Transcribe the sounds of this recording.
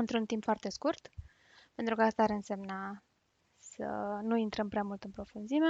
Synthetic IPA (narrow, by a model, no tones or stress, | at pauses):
ɨnt̪ɾunt̪impfoart̪e̞skurt̪ | pe̞nt̪ɾukəast̪aːɾɨnse̞mna | sə̰nuint̪ɾəmpɾeamult̪ɨmpɾo̞funzime